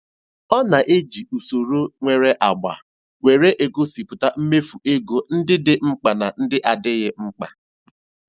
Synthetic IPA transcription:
ɔ˦na˨ʔe˦d͡ʒi˨u˨so˨ɾo˦ŋʷe˦˨ɾe˦ʔa˨ɡ͡ba̰˨ | wʷe˨ɾe˦ʔe˨ɡo˦si˨pʊ˨ta˦m̩˦me˦fu˨ʔe˦ɡo˨n̩˦dɪ˦dɪ˦ŋ͡m̩˦k͡pa˨na˨n̩˦dɪ˦ʔa˨dɪ˦ɣɪ˦ŋ͡m̩˦k͡pa˨

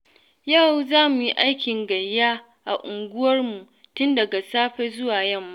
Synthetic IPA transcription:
ja˦˨wzaː˦mu˨ji˦ʔa˦jkʲɪ˨ŋɡɐ˨jːaː˦ | ʔa˨ʔʊ˨ŋɡʷʊ˦wɐ˦rmu˨ | tʊ˦ndɐ˨ɡa˨saː˦ɸɛ˦zʊ˦waː˨jɐ˦˨mːa˦

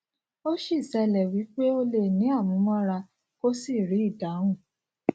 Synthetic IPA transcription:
o˦ʃi˦˨sɛ˧lɛ˨wi˨˦k͡pe˦o˧le˨nĩ˨˦a˦˨mũ˨˦mɔ̃˦ɾa˧ | ko˦si˦˨ɾi˨˦i˦˨da˨˦wũ˦˨

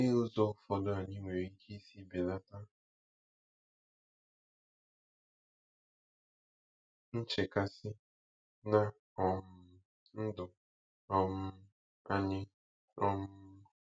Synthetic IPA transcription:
nɪ˦ʊ˦zo˦fɔ˨dʊ˦a˨ɲɪ˦ŋʷe˨ɾi˦kʰi˦i˦si˦be˨la˦ta˦ | n̩˦t͡ʃe˨ka˦sɪ˦ | na˦ | ɔ˨m˦ | n̩˦dʊ˨ | ɔ˨m̩˦ | a̰˦ɲɪ˦ | ɔ˦m̩˦

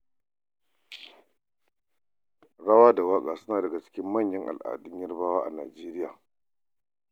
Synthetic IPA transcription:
ɽa˦waː˦da˨waː˦kʼa˨sʊ˦naː˨dɐ˨ɡa˨t͡ʃɪ̥˦kʲɪ˦mːɐ˦˨ɲjɐ˦ŋʔa̰˨lʔa̰ː˨dʊ˦ɲ˦ɐ˦rbaː˦waː˦ʔa̰˨naː˨d͡ʒeː˦ɾɪ˦ja̰ː˨

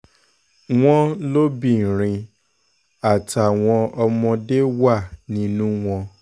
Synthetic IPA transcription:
w̃ɔ̃˦lo˦bĩ˦˨ɾ̃ĩ˧ | a˨ta˨w̃ɔ̃˧ɔ˧mɔ̃˧de˦wa˦˨nĩ˦nũ˦w̃ɔ̃˧

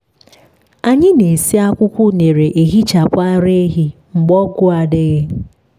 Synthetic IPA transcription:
a˨ɲɪ˦ne˨si˦a˦kʷʊ˦kʷʊ˦ne˨ɾe˨ʔe˨ɣi˦t͡ʃa˨pa˦ɾe˦ɦi˦ | ŋ͡m̩˨ɡ͡bɔ˦ɡʊ˦a˨de˦ɣe˦

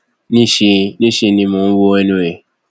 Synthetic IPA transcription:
nĩ˦ʃe˧nĩ˦ʃe˧nĩ˧mõ˨˦wo˦ɛ˦˧nũ˧e˨

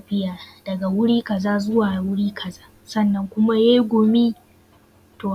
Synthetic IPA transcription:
ɸɪ˦jaː˨d̥ɐ˨ɡa˨wʊ˦ɽiː˦kɐ˨zaː˦zʊ˦waː˨wʊ˦ɽiː˦kʰɐ˨zaː˦ | sɐ˦˨nːɐ˦ŋkʷʊ˦ma˦jeː˦ɡʷo˨miː˦ | toː˨

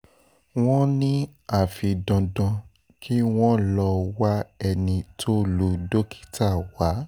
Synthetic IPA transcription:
w̃ɔ̃˦nĩ˦a˦˨fi˨dɔ̃˧dɔ̃˧ | kʰi˦w̃ɔ̃˦lɔ˧wa˦ɛ˧nĩ˧tʰo˦lu˨do˦kʰi̥˦ta˦˨wa˨˦

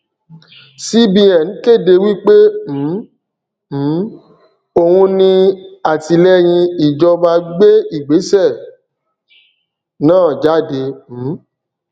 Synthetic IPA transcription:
si˦bi˧ɛ˨n̩˨˦ke˦˨de˧wi˦k͡pe˦m̩˨˦ | m̩˨˦ | o˧hũ˧nĩ˧a˨ti˧lɛ˦j̃ĩ˧i˨d͡ʒɔ˧ba˧ɡ͡be˦i˦˨ɡ͡be˨˦sɛ˦˨ | nãː˦˨d͡ʒa˦˨de˧m̩˨˦

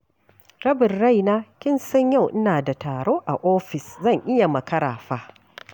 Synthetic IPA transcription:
ɾɐ˦bɪ˨rɽa˦˨jnaː˦kʲɪ˦nsɐ˦ɲja˦˨wʔɪ˦naː˨da˨taː˨ɽoː˦ʔa̰˨ʔoː˦ɸɪ˨szɐ˦˨ŋʔɪ˦ja˨mɐ˨kɐ˦ɽa̰ː˨ɸaː˦

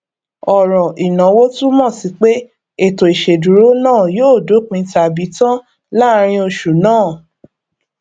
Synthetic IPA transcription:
ɔ˨ɾɔ̃˨ʔi˨nã˨˦wo˦tu˦mɔ̃˦˨si˨˦k͡pe˦ | e˦˨to˨i˨ʃe˨du˨ɾo˦nãː˦˨joː˦˨do˨˦k͡pĩ˧˦ta˨bi˨˦tã˦ | la˦˧ɾ̃ĩ˧o˧ʃu˨nãː˦˨

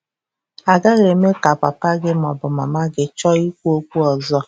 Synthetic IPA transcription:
a˨ɡa˦ɾe˨me˦ka˨pa˨pa˦ɡɪ˦mɔ˨bʊ˨ma˨ma˦ɡɪ˦t͡ʃɔ˦i˦kʷu˦o˦kʷu˦ɔ˨zɔ˦

